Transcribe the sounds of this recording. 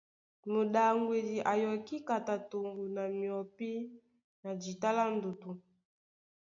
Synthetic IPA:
mo˨ɗa˨ŋɡwe˨di˨ʔa˨jɔ˨ki˦ka˨ta˨to˨ŋɡu˨na˨mi˨ɔ˨pi˦ | na˨d͡ʒi˨ta˦la˦n˦du˨tu˨

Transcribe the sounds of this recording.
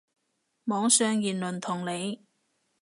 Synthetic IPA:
mɔː˨˥ŋsœː˧ŋjiː˨˩nlɵ˨˩nt̪ʰʊ˨˩ŋle˨˧j

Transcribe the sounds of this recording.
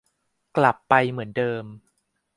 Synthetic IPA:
kla˨˩pːa˧jmɯ˩˦əndɤː˧m

